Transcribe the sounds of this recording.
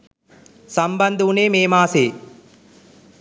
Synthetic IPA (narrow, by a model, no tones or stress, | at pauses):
sɐmbɐnd̪uneːmeːmaːseː